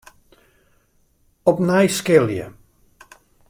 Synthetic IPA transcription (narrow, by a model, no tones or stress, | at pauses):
ɔpnɛjskɪlˠjə̰